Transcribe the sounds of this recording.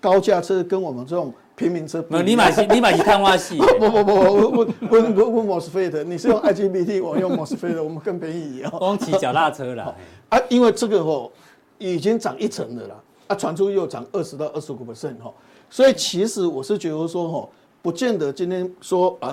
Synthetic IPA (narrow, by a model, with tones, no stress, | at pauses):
ka˦ʊt͡ɕja˥˧t͡sʰə˦˥kə˦˥nwɔ˨˩mə˨˦nt͡sə˥˧˩ʊ˨˩ŋ | pʰi˨˦ŋmi˨˧ŋt͡sʰə˦pni˨˦ma˨˩˦ni˨˦ma˨i˨˦k̪ʰa˥˧nwa˦ɕi˥˨ɔ˨˦bɔ˨˧bɔ˨˧bɔ˨˧ɔ˧˩wwwə˥nwwu˥˩nmɔ˨˩s̩˧˨˧fe˥˧ɪd̪ə˨ni˨ʂɻ̩˥˧jo˥˧ŋʔa˧˥ɪd͡ʒi˦bi˧t̪ʰi˥˨wɔ˨mə˧˦njo˥˧˩ŋmɔ˨˩s̩˧fe˥˩ɪd̪ə˨wɔ˨˩mə˦kə˥˩npʰjɛ˧˦n˨i˨˦ɔ˨˦˧ŋt͡ɕʰi˨˧t͡ɕja˨ʊt̪a˥˩t͡sʰɤ˦la˨˧ɔ˥˨a˦i˦nwe˥˧t͡sə˥˧ɡə˨ɦɔ˥˧˩ | i˨˩t͡ɕi˦ŋt͡sɑ˨˩˦ŋʔi˥˩t͡sʰə˧˦ŋd̪ə̰˨la̰˨˩ | a˦t͡sʰwa˧˦nt͡sʰu˦jo˥˩ʊt͡sɑ̰˨˩ŋə˥˩ʂɻ̩˧˦t̪a˥˧ʊʔə˥˩ʂ̩˧u˨˩pʰə˨˩sɛ˥˨nɦɔ˥˩ | swɔ˧˥i˨t͡ɕʰi˧˥ʂɻ̩˧˦wɔ˨˩ʂɻ̩˥˨t͡ɕɥɛ˧˥d̪ə˧˦swɔ˦ɦɔ˥˩ | pu˨˦t͡ɕjɛ˥˨nd̪ə˨˦t͡ɕi˦nt̪ʰjɛ˦˥nswɔ˦a˨